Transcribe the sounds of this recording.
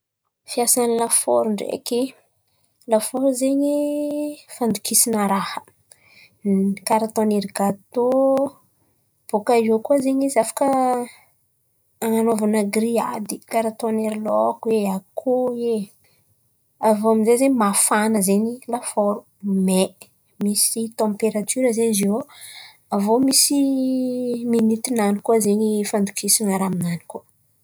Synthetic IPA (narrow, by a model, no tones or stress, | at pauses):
fiasanilafo̰ɾuɳɖ͡ʐḛki | lafoɾuzeɲi | fand̪ukisinəɾahə̥ | kaɾat̪oneɾiɡat̪o | b̥okaiokuazeɲizafḁkə | aŋanovanəɡria̰d̪ikaɾat̪oaneɾilɔkueakʰoe | avoamizezeɲmafanəzeɲilafoɾu̥ | me | misit̪ɑ̃mpeɾat̪ʰyɾəzeɲzio | avomisi | minit̪inanikuazeɲifand̪ukʰisinaɾaminani̥ku